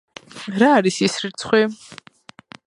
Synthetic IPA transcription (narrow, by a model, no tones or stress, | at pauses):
ɾaːɾisisrɨt͡sʰχʷɛ